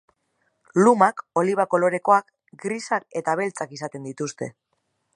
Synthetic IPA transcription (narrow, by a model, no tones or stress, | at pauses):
lumako̞liβ̞ako̞lo̞ɾe̞ko̞ak | ɡɾisake̞t̪aβ̞e̞lt͡sakisat̪e̞nd̪it̪ust̪e̞̰